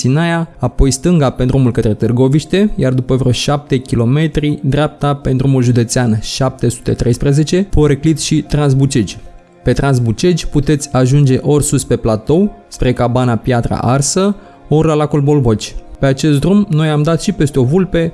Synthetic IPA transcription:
sinajaapo̞jst̪ɨŋɡapend̪ɾumulkət̪ɾe̞t̪ɨrɡo̞viʃt̪e̞jard̪upəvroʃap̚t̪e̞kʲilo̞me̞t̪ɾid̪ɾʲap̚t̪ape̞nd̪ɾumulʒud̪e̞t̪seanʃap̚t̪e̞su̥t̪e̞̰t̪ɾe̞jspɾeze̞t͡ʃe̞po̞ɾeklit̪ʃit̪ɾansbut͡ʃe̞d͡ʒʲ | pe̞t̪ɾanzbut͡ʃe̞d͡ʒʲput̪e̞t̪sʲaʒund͡ʒe̞ʔo̞rʲsuspe̞plat̪o̞w | spɾe̞kabanapjat̪ɾa̰ʔarsə | o̞rlalakolbo̞lbot͡ʃʲpeat͡ʃe̞st̪d̪ɾumno̞jamd̪at̪ʃipe̞st̪eo̞vulpe

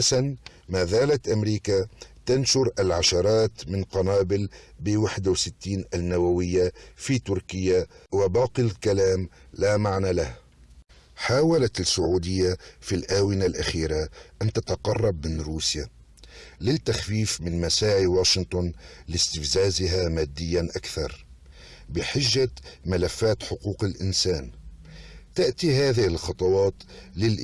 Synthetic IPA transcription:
ʔasan | maːzaːlat̪ʔamɾiːkat̪anʃʊɾʔalʕaʃɑɾˤɑːt̪mɪnqɑnaːbɪlbɪwaħd̪wsɪt̪ːiːnʔanːawawɪjːafiːt̪ʊɾkɪjːawabɑːqilkalaːmlamaʕnalah | ħaːwalat̪asːʊʕuːd̪ɪjːafilʔaːwɪnalʔaxiːɾaʔant̪at̪ɑqɑrˤːɑb̚mɪnɾuːsja | lɪt̪ːaxfiːfmɪnmasaːʕiwaːʃɪnt̪ˤʊnlɪst̪ɪfzaːzɪɦamaːd̪ːɪjːanʔakθɑ̰ɾˤ | bɪħɪʒːamalafːaːt̪ħʊquːqɪlʔɪnsaːn | t̪aʔt̪iɦaːðɪhɪlxɑt̪ˤɑwɑːt̪lɪlʔ

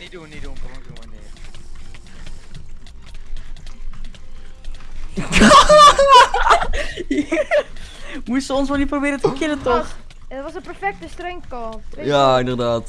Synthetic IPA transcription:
mutsəɔnsmaniprobɪːɾətəkɪnətɔχ | dɔtʋɔsənpɛrfɛk̚təstreŋkɑjaɪndərdaːt

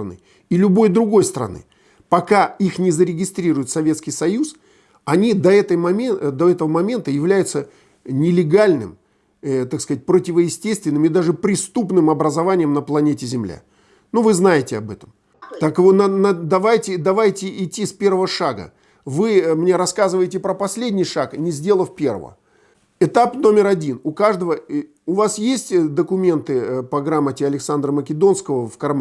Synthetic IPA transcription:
ɐnɨ̰ | ilʲʊbo̞jd̪ɾʊɡo̞jst̪əɾɐ̰nɨ̰ | pɐkaixnʲɪzəɾʲɪɡʲɪst̪ɾʲiɾʊjɪt̪sɐvʲe̞t̪skʲɪjsɐjus | ɐnʲid̪ɐɛt̪əjmɐmʲd̪oɛt̪əvəmɐmʲe̞nt̪əjɪvlʲæjʊt̪sə | nʲɪlʲɪɡalʲnɨ̰m | t̪akskɐzat̚ʲpɾotʲɪvəjɪsʲtʲest̪vʲɪnːɨmɪd̪aʐɨpɾʲɪst̪upnɨmɐbɾəzɐvanʲɪjəmnəplˠɐnʲetʲɪzʲɪmlʲa̰ | nuvɨznajɪtʲɪɐbɛt̪əm | t̪akvonnad̪ɐvajtʲɪd̪ɐvajtʲɪʔɪtʲːispʲe̞rvəvəʂaɡə̰ | vɨmnʲe̞ɾɐskazɨvəjtʲɪpɾəpɐsʲlʲedʲnʲɪjʂaknʲɪzʲdʲe̞lˠəfpʲe̞rvə̰və̰ | ɪt̪apno̞mʲɪɾɐdʲinʊkaʐd̪əvə | ʊvasjesʲtʲd̪əkʊmʲe̞nt̪ɨpɐɡɾamːətʲɪɐlʲɪksand̪rəməkʲɪd̪o̞nskəvəfkɐrm

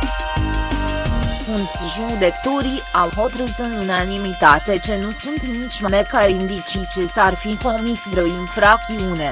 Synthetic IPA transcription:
unt̪ʒud̪e̞t̪uɾiawɦot̪ɾəɾit̪ɨnunanimit̪at̪e̞t͡ʃe̞nusunt̪nit͡ʃʲmamekaɾind̪it͡ʃit͡ʃe̞sarfipormisvɾeinfɾakt̪iune

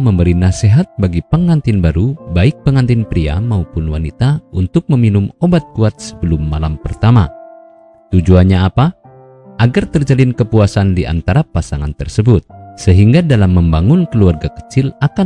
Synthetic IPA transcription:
məmbəɾinaseɦat̪̚baɡipəŋant̪ɪnbaɾubaɪk̚pəŋant̪ɪnpɾia̰maupʊnwanit̪aunt̪ʊk̚məminʊmobat̪̚kuat̪̚sə̥bəlʊmːalampərt̪ama | t̪ud͡ʒuanɲaːpa | ʔaɡart̪ərd͡ʒalɪnkəpuasandiʔa̰nt̪aɾapasaŋa̰nt̪ərsəbʊt̪̚səɦiŋɡadalamːəmbaŋʊnkəluarɡakə̥t͡ʃɪlaka

